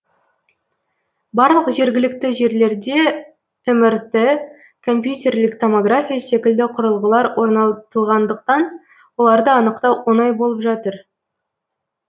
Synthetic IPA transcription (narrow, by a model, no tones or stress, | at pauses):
bɑɾlˠəqʒe̞ɾɡʲɪlɪk̚t̪ɪʒe̞ɾle̞ɾd̪e̞ | ʏmɪɾt̪ɪ | kʰo̞mpjut̪ʲe̞rlɪkt̪ʰo̞moɡrafʲijase̞kʲɪld̪ɪqʰʊɾəlˠʁəlˠɑɾwo̞ɾnɑt̪əlˠʁɑnd̪əqt̪ɑn | wo̞lˠɑɾd̪əɑnəqt̪ɑwwonɑjbolˠəpʒɑt̪əɾ